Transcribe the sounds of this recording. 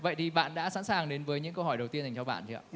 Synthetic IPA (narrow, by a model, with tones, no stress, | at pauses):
və̰˧˨jt̪ʰi˨˩ɓa̰ː˧˨nɗa̰ː˧˥sa̰˧˥nsaː˨˩ŋɗe˨˦nvəː˨˦jɲɨ̰˧˥ŋkə˧wɦɔ˧˩jɗə˨˩wt̪i˧ənha˨˩ŋt͡ɕɔ˧ɓa̰ː˧˨nt͡ɕʰḭ˨˧˨a̰ː˧˩